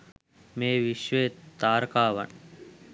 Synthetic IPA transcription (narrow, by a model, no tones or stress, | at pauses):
meːʋiʃʋeet̪aːɾkaːʋɐ̰ɳ